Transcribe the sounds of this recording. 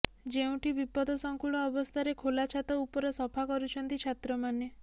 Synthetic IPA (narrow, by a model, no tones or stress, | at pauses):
d͡ʒeũʈibipɔd̪ʱɔsɔŋkuɭɔːbɔst̪ʰaɾekʰolat͡ʃʰat̪ɔupɔɾɔsɔpʰakɔɾut͡ʃʰɔnt̪it͡ʃʰat̪ɾɔmane